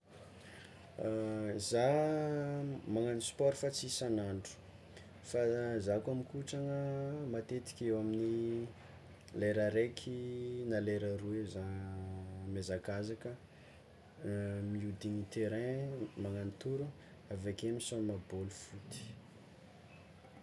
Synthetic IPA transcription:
za | maŋanispɔɾifat͡siisanaɳɖ͡ʐu̥ | fazakamikuʈ͡ʂaŋəmat̪et̪i̥kʲewamini | leɾaɾekʰinaleɾəɾueza | mezakazakə | miud̪iɲit̪eɾɛ̃maŋanit̪uɾu | avekemisomabolufut̪i̥

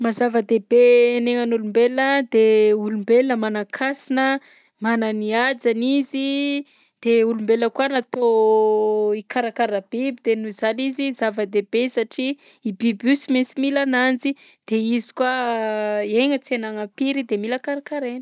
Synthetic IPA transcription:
mazavəd̪ebeneŋanulumbeləd̪eulumbelnəmanakʰasinə | mananiad͡zanizi | d̪̥eulumbeləkuənat̪o | ikaɾakaɾab̥ibid̪enuzanizizavəd̪ebesaʈ͡ʂiː | bibusimensimilanand͡zi | d̪̥eizi̥kwa | eŋət͡senaŋapiɾid̪emilakaɾakaɾenə̥

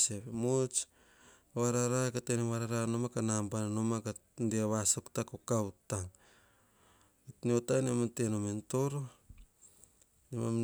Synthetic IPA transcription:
seβemot͡ʃ | βaɾaɾakateneβaɾaɾanomakanambananomaka | ndeaβasoktakokautaŋ | itniotajnematenomento̞ɾo | nemam

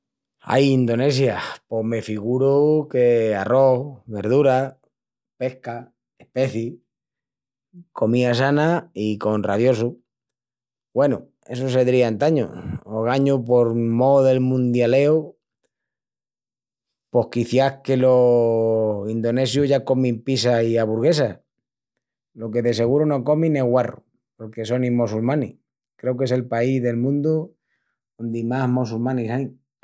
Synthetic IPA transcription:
a̰jind̪o̞ne̞sjapo̞ɦme̞fiɣuɾuke̞aro̞hβe̞ɾð̞uɾa | pe̞hka | ehpe̞θi | ko̞miasanaiko̞nraβjo̞su | we̞nu | e̞s̬os̬eðɾiant̪aɲo̰oɣ̞aɲupo̞ɾmoðe̞lmũnd̪jale̞o | po̞hkiθjahke̞lo | ind̪o̞ne̞sjuɦʝako̞mĩmpisaiaβuɾɣ̞e̞sa | lo̞ke̞ðe̞se̞ɣ̞uɾono̞ko̞mĩneɦɣwarṵ | po̞ɾke̞so̞nĩmosulmãni | kɾe̞ok̬e̞se̞lpaizðe̞lmũnd̪u | ond̪imaɦmosulmãnisaj

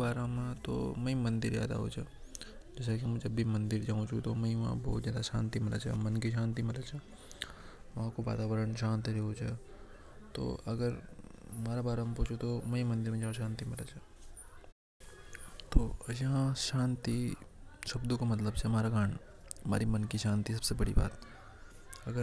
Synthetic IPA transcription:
baːɾamãt̪o̰mɐ̃ĩmɐ̃nd̪ɪɾa̰ːd̪a̰ɦo̰ːt͡ʃʰe | d͡ʒɛːs̬ekimɛ̃d͡ʒɐbːimɐ̃nd̪ɪɾd͡ʒaːũt͡ʃʰut̪omɐĩʋã̰bɔ̰ːt̪d͡ʒjaːd̪aʃã̰ːnt̪imɪla̰t͡ʃʰḛmɐnkiʃ̬ãːnt̪̬imɪlat͡ʃʰe | ʋɐɦãkoʋa̰ːt̪aːʋəɾəɳʃãːnt̪iɾeɦot͡ʃʰḛ | t̪o̰ːʔɐɡəɾmaːɾabaːɾampoːt͡ʃʰot̪omɛimɐ̃nd̪ɪɾmẽd͡ʒaːʃãːnt̪imɪlat͡ʃʰɛ | t̪oːɐd͡ʒɦãʃaːnt̪iʃɐbd̪ukomɐt̪ləbt͡ʃʰɛmaːɾaɡʱaːn | ɐmaːɾimɐnkiʃãːnt̪is̬ɐb̥sebɐɽḭba̰ːt̪ | ɐɡəɾ

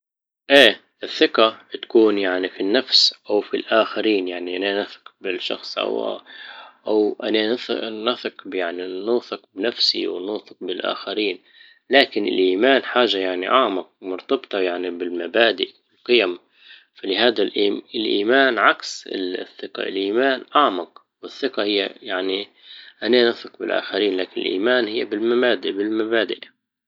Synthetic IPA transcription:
ʔeː | ʔɪθːɪqat̪ḁkuːnjaʕnifinːafsʔawfilʔaːxaɾiːnjaʕniʔananaθɪ̥qbɪlʃɑ̰xsˤʔa̰w̰ | ʔawʔananaθɪqbjaʕninuːθɪqbnafsḭwɪnuːθɪq̚bɪlʔa̰ːxaɾiːn | laːkɪnɪ̰lʔiːmaːnħaːʒajaʕniʔaʕmɑq̚mʊɾt̪ɑbt̪ˤɑjaʕnibɪlmabaːd̪ɪʔbɪlqɨjam | falɪhaːd̪alʔiɪlʔiːmaːnʕaksɪ̰θːɪqɑ̰ɪ̰lʔiːmaːnʔɑʕmɑq | wɪθːɪqɑhɪjːa̰jaʕni | ʔananɑθɪqbɪlʔa̰ːxaɾiːnlaːkɪnɪ̰lʔḭːmaːnhɪjːabɪlmabaːd̪ɪʔbɪlmabaːd̪ɪʔ

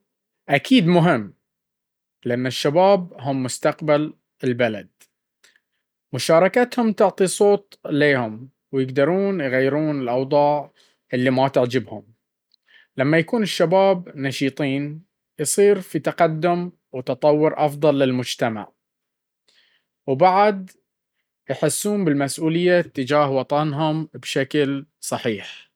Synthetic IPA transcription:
ʔakʰiːd̪mʊɦɪmː | lɪʔanːaʃːabaːb̚ɦʊmːʊst̪aqbal | ɪlbala̰d̪̚ | mʊʃɑːɾˤɑkat̪hʊmt̪ʊʕt̪ˤisˤoːt̪ˤleːhʊm | wjɪɡd̪ɑɾˤuːnjɣajːɪɾuːnɪlʔɑwðˤɑːʕ | ʔɪlːimat̪ɪʕd͡ʒɪbhʊm | lamːajakuːnɪʃːabaːb̚nɑʃiːt̪ˤiːn | jsˤiːɾfit̪aqad̪ːʊm | wt̪ɑt̪ˤɑwːʊɾʔɑfðˤɑlːɪlmʊd͡ʒt̪ama̰ʕ | wbaʕd̪ | jħɪsːuːmbɪlmasʔuːlɪjːat̪ːɪd͡ʒaːhwɑt̪ˤɑnɦʊmbʃaklsˤɑħiːħ

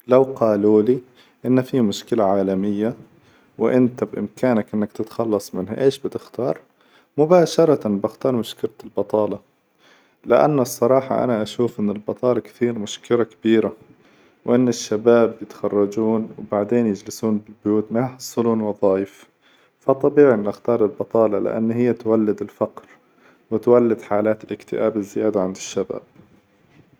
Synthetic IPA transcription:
lawqɑːluːli | ʔɪnːafimʊʃkɪlaʕaːlamɪjːa | wʔɪnt̪abʔɪ̰mkʰaːnakʔɪnːakt̪ɪt̪xɑlːɑsˤmɪnha̰ʔeːʃbɪt̪ɪxt̪ɑːɾˤ | mʊbaːʃɑɾˤɑt̪anbɪxt̪ɑːɾˤmʊʃkɪlalbɑt̪ˤɑːlɑ | lɪʔa̰nːsˤːɑɾˤɑːħɑ̰ʔa̰naʔaʃuːfʔɪnːɪlbɑt̪ˤɑːlɑkt̪iːɾmʊʃkɪlakabiːɾa | wʔɪnːɪʃːabaːbjɪt̪xɑrˤːɑd͡ʒuːnwbaʕd̪eːnjɪd͡ʒlɪsuːnbɪlbʊjuːt̪majħɑsˤːɨluːnwɑðˤɑːjɪf | fɑt̪ˤːɑbiːʕiʔɪnːʔaxt̪ɑːɾˤɪlbɑt̪ˤɑːlɑlɪ̰ʔa̰nːhɪjːat̪walːɪd̪ɪlfaqɾ | wɪt̪walːɪd̪ħaːlaːt̪ɪlʔɪkt̪ɪ̰ʔaːbɪzːɪjaːd̪aʕand̪ɪʃːaba̰ːb̥̚

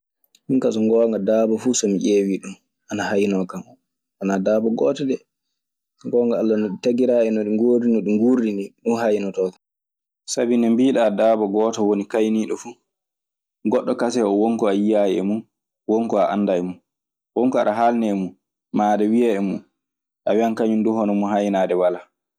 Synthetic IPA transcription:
hiŋkasɔŋɡɔːŋɡadaːbɔfusɔmiʔeːwiɗum | ʔanahajnɔkam | anadaːbɔɡɔːtɔɗɛ | ŋɡɔːŋɡaːlːanɔɗitaɡiɾaːɛnɔɗiŋɡoːdinɔɗumɡuɾiniɗunhajnɔtɔːkḁ | sabinɛmbiːɗadaːbɔɡɔːtɔwonikajniːɗɔfu | ɡɔɗːɔkasɛɔwɔŋkɔajijajɛɛ̰mun | wɔŋkɔaʔa̰ndajmun | wɔŋkɔaɗaɦalnɛmu | maːɗɛwijaɛmun | ʔawiaŋkaɲunduɦɔnɔmunɦajnaːdɛwala

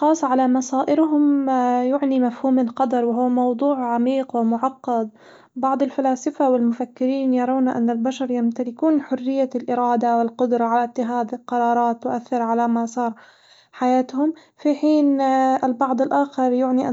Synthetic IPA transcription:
xɑːsˤːʕalamɑsˤaːʔɪɾɦʊmjʊʕnimafhuːmɪlqɑd̪ɑɾˤwɪɦʊːmɑwd̪ˤuːʕʕamiːqwɪmʊʕɑqːɑd̪̚ˤ | bɑʕd̪ˤɪlfalaːsɪfawɪlmʊfakːɪɾiːnjɑɾˤawnaʔa̰nːalbaʃɑɾˤjamt̪alɪkuːnħʊrːɪjːalʔɪɾɑːd̪awɪlqʊd̪ɾˤɑʕalat̪ːɪxaːd̪ɪlqɑɾˤɑːɾˤɑːt̪ːɪʔaθːɪɾʕalamasˤɑːɾˤ | ħajaːt̪hʊm | fiħiːnɪlbɑʕd̪ˤɪlʔaːxɑɾˤjʊʕniʔa

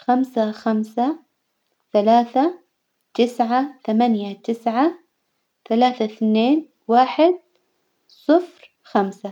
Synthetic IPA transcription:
xamsaxamsa | θalaːθa | t̪ɪsʕat̪amanjat̪ɪsʕa | θalaːθaθneːn | waːħɪd̪̚ | sˤɨfɾ | xamsa

